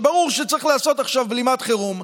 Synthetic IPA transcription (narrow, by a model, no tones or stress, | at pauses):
baʁuʁʃet͡saʁiχlaaso̞t̪aχʃavblimat̪χeʁum